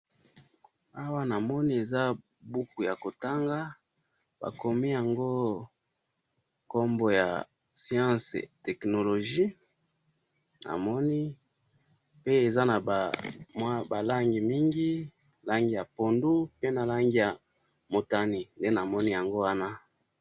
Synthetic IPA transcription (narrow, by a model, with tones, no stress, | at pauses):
a˦wa˦na˨mɔ˦ni˦e˨za˦ | bu˦ku˨ja˨ko˨ta˦ŋɡa˦ | ba̰˨ko˨mi˦ja˨ŋɡo˦ | ko˦mbo˨ja̰˨ | si˦ã˦sḛ˨tɛ˨kno˨lo˨ʒi˦ | na̰˨mɔ˦ni˦ | pe˦e˨za˦na˨bmwa˦ba˨la˦ŋɡi˨mi˦ŋɡi˦˨ | la˦ŋɡi˦ja˨po˨ndu˦pe˦na˨la˦ŋɡi˦ja˨ | mo˨ta˦ni˨nde˦na˨mɔ˦ni˦ja˨ŋɡo˦wa˦na˦